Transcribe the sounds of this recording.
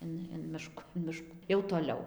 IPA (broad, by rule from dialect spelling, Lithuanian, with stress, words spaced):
ˈɪn ɪn ˈmʲɪʃkʊ ɪn ˈmʲɪʃkuː jɛʊ toːˈlʲɛʊ